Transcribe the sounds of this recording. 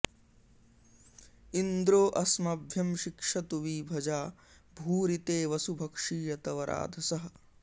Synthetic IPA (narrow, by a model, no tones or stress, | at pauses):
ind̪ɾoːʔɐsmɐbʱjɐmʃikʂɐt̪uʋiːbʱɐd͡ʒaː | bʱuːɾit̪eːʋɐsubʱɐkʂiːjɐt̪ɐʋɐɾʔa̰ːd̪ʱɐsɐɦɐ̆